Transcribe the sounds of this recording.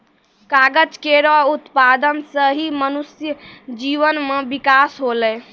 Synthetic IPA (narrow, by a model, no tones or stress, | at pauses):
kaɡəd͡ʒkeɾɔut̪pad̪ənsəɦimənusjəd͡ʒiʋənmebikasɦolɛ